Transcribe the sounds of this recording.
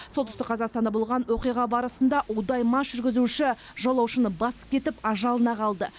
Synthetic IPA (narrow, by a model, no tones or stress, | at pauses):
solt̪ʏ̥st̪ɪqʰɑzɑqst̪ɑnd̪ɑbolˠʁɑnwoqijʁɑbɑɾəsənd̪ɑʔod̪ɑjmɑsʒʏɾɡʲɪzuʃɪ | ʒolˠɑwʃənəbɑsə̥p̚kʲʰe̞t̪ɪpɑʒɑlˠənɑqɑlˠd̪ə